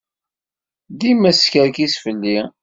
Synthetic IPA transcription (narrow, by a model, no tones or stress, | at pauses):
ðimæskəɾkisfəlːi